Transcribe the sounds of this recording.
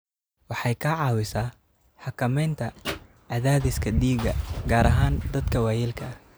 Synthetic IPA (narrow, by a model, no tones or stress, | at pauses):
wɑħɑjkʰɐʕɑːwɪsɐː | ħɑkʰɐmɛjnt̪ʰɐ | ʕɑðaːðɪskʰɐd̪iːɡɐɡaːɾɐɦaːnd̪ɐd̪kʰɐwæːjɛlkʰɐ